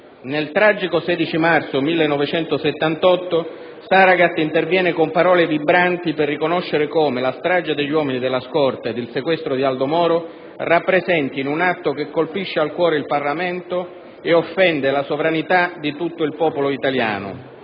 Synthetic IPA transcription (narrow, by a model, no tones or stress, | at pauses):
nelt̪ɾaːd͡ʒikosɛːd̪it͡ʃimart̪somilːenːɔvet͡ʃɛnt̪ʊset̪ːant̪ɔt̪ːʊ | saɾaɡat̪ːint̪ervjɛːnɪkompaɾɔːlevibɾant̪iperːikonɔʃːeɾɪkɔːmelast̪ɾaːd͡ʒad̪eʎːwɔːminid̪elːaskɔrt̪ad̪ːɪlsekwɛst̪ɾod̪iald̪omɔːɾo | rapːɾezɛnt̪inunat̪ːokekːolpiʃːealkwɔːɾeilparlamɛnt̪o | eofːɛnd̪ɪlasovɾanit̪ad̪it̪ut̪ːʊilpɔːpoloit̪alja̰ːnʊ̰